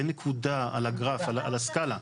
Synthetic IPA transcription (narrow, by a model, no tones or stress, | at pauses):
enekʰud̪aa̰laɡʁafalaa̰laskala